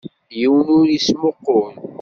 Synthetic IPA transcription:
jiwənʊɾismʊqːʊn

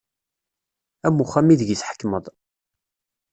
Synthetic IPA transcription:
æmuχæmiðʝisħə̥kːməðˤ

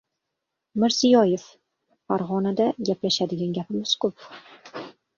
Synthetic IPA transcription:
mɪɾzɪjɒjef | faɾʁɒnad̪aɡʲaplaʃad̪ɪɡʲanɡʲapʰɪmɪz̥kʰʊp

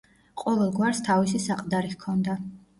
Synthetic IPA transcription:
qʼɔvɛlˠɡwaɾst̪ʰavisisaqʼd̪aɾikʰɔnd̪a

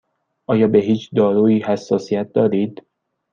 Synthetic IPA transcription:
ʔɒːjɒːbe̞ɦiːt͡ʃʰd̪ɒːɾuːiːhæsːɒːsijæt̪̚ʰd̪ɒːɾiːd̪̥

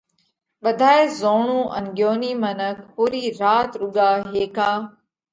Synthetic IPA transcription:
ɓəd̪ʱaːeːzoːɳũːʔə̰nɡjoːniːmənək̚ʰpuːɾiːɾaːt̪ɾʊɠaːɦeːkaː

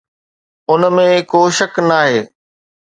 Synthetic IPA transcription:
ʊnmẽkoːʃɐknaːɦeː

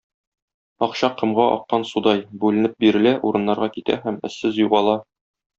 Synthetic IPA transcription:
ɒqɕɑqːɤ̆mʁɑʔɒ̰qːɑnsud̪ɑjbʉlɘ̆nɘp̚biɾɘ̆læʔuɾɤ̆nːɑɾʁɑkit̪æ̰hæmɘ̆sːɘzjuʁɑlˠɑ

